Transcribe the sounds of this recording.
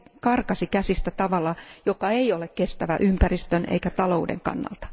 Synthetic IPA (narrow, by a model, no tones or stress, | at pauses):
kɑrkɑsikæsist̪æt̪ɑʋɑlːˑɑjokɑeiolekkest̪æʋæʔympærist̪ønḛikæt̪ɑloudḛŋkɑ̰nːɑ̰lt̪ɑ̥